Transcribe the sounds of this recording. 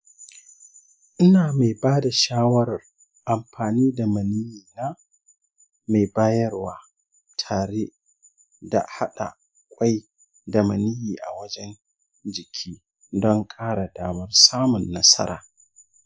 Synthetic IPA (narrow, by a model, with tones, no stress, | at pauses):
ʔɪ˦naː˨ma˨jbaː˦da˨ʃaː˦wɐ˦ɾɐ˨r | ʔa˨mɸaː˨niː˦da˨mɐ˨ni˦jiː˨naː˦ | ma˨baː˦jɐ˦rwaː˨ | tʰaː˨ɽe˦ | da̰˨ha˦ɗa̰˨ | kʷʼa˦j | da˨mɐ˨ni˦jiː˨ʔa̰˨wɐ˦d͡ʒɛ˦n | d͡ʒɪ˨kʲʰiː˦ | dɔ˦ŋkʼaː˦ɽa˨daː˦mɐ˦rsaː˦mʊ˨nːɐ˦sɐ̰˦ɾa̰ː˨